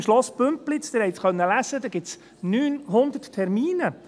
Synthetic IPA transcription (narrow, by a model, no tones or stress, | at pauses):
mʃlɔspɵmplɪt͡st̪ɪɾhɛjt̪χœnːəlæsəd̪ɛɡ̥ɪts | nyːnɦʊnd̪əttʰːɛɾmiːnə